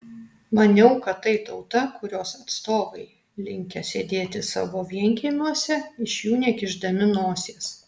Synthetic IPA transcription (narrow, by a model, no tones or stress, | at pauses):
mɐnʲɛʊkɐttːɐɪt̪ɐʊt̪ɐkʊɾʲoːsɐt̪st̪oːʋɐɪ | lʲɪŋʲkʲɛsʲeːd̪ʲeːt̪ʲɪsɑ̰ːʋoːʋʲiɛŋʲkʲemʲuɔsʲɛɪʃʲjuːnʲɛkʲɪʒd̪ɐmʲɪnoːsʲeːs